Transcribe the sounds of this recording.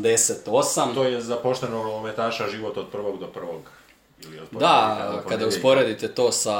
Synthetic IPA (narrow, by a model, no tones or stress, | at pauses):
d̪eset̪o̞samt̪oːjezapoʃt̪enoɡlomet̪aːʃaʒiʋot̪od̪̚pr̩ʋoɡd̪opr̩ʋoɡ | iliod̪d̪akad̪auspo̞ɾe̞d̪it̪et̪o̞ːsa